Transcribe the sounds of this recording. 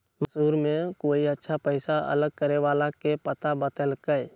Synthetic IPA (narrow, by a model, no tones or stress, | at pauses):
məsuːɾmẽkoːiətːʃʰapəɪsaə̰ləɡ̚kəɾeʋaːlakepət̪abət̪əlkəj